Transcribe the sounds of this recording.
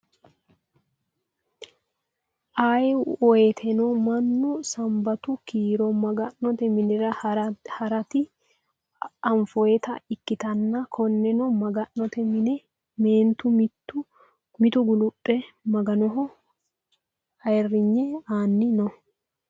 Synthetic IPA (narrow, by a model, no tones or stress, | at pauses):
ʔaːjɛɔjet̪ʰɛnɔmɐnːʊsɐmbɐt̪ʊkiːɾɔmɐɡɐnːɔt̪ɛmɪnɛɾɐhɐɾɐt̪ɪ | ɐɱfɔɛt̪ɐ̰ɪkːɪt̪ɐnːɐkʰɔnːɛnɔmɐɡɐnːɔt̪ɛmɪnɛ | meːnt̪ʊm | mɪt̪ʊɡʊlʊpʼːɛmɐɡɐnɔɦɔ | ɐjɛrːɪɲːɛaːnːɪnɔ